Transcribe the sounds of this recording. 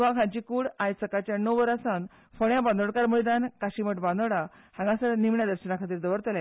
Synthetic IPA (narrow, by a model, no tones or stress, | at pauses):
ʋakʰãt͡ɕikuːɽajt͡səkat͡ɕjanəʋəɾasan | foɳjaband̪oɽkaɾməɭid̪ankaɕiməʈbãnd̪oɽa | hãŋɡãsənimɳjad̪əɾɕənakʰat̪̬iːɾd̪əʋəɾt̪əla